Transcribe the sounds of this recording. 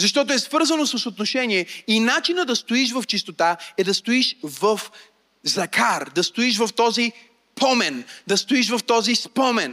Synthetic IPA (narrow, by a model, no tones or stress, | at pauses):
zɐʃt̪ɔt̪oɛsvɤɾzənosəsot̪noʃɛniɛinat͡ʃinəd̪ɐst̪oiʃ̬vɐft͡ʃist̪ot̪aɛd̪ɐst̪oiʃvɐf | zɐkaɾd̪ɐst̪oiʃ̬vɐft̪ɔzi | pʰɔmɛnd̪ɐst̪ʊiʃvɐft̪ɔzispɔmɛn